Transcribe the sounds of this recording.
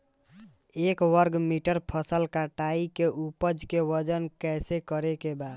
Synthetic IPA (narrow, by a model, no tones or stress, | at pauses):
ekwəɾɡmiʈəɾpʰəsəlkaʈaikeʔupəd͡ʒkewəd͡ʒənkɛsekəɾekebad̪